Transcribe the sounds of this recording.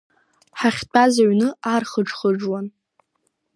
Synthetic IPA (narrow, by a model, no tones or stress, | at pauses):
ħaχʲtʰʼazaɥnɨarχəʈ͡ʂχəʈ͡ʂwan